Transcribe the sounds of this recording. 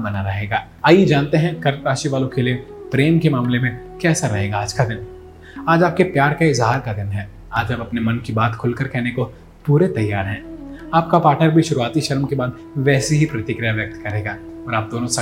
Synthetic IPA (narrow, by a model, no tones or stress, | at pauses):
bɐnaɾɐɦeːɡaː | aːjid͡ʒaːnt̪eɦɛ̃kɐɾɾaːʃiʋaːlõkeliepɾeːmkemaːmlemẽkɛːsaɾɐɦeːɡaaːd͡ʒkad̪ɪn | aːd͡ʒaːp̚kepjaːɾkaɪzɦaːɾkad̪ɪnɦɛː | aːd͡ʒɐbɐpnemɐnkibaːt̪kʰʊlkɐɾkɛɦneko | puːɾet̪ɐjːaːɾɦɛ̃ːaːp̚kapaːɾʈnəɾbʱiʃʊɾuaːt̪iʃɐɾmkebaːd̪ | ʋɛːseɦipɾɐt̪ɪkɾɪjaʋjɐk̚t̪kɐɾeːɡaːɔːɾaːp̚d̪oːnõsɐ